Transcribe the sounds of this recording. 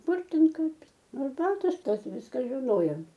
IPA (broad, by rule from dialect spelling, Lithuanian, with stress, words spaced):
ˈkʊr ˈtʲɛn ˈkɐɪp ˈnʊ ɐrˈbɑːtoːs ˈtɐs ˈʋʲɪskɐ ʒʲɪˈnoːjoːm